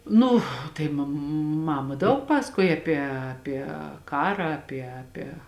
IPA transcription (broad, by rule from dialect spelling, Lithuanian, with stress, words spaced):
ˈnʊ ˈtɐɪ mɐm ˈmɑːmɐ ˈdɐʊk ˈpɑːsɐkuɔj ɐˈpʲiɛ ɐˈpʲiɛ ˈkɑːrɑː ɐˈpʲiɛ ɐˈpʲiɛ